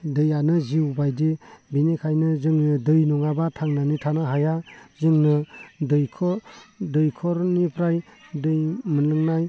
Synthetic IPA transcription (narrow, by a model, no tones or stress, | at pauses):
dɯjanɯziwbajdebinekʰajnɯzɯŋnɯdɯjnɔŋabatʰaŋnanitʰanaɦajazɯŋnɯdɯjkʰɔdɯjkʰɔɾnipʰɾajdɯjmɯnlɯŋnaj